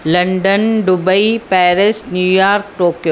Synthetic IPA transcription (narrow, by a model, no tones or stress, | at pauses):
lɐ̃ɳɖənɖʊbəipɛːɾɪsnjuːjaːɾk̚ʈoːkjoː